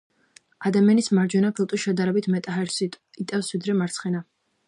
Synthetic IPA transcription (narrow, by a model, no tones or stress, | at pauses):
ad̪amianismaɾd͡ʒwɛnapʰilˠt̪ʼuʃɛd̪aɾɛbit̪ʰmɛt̪ʼaɛɾs | it̪ʼɛfsvid̪ɾɛmaɾt̪sʰχɛna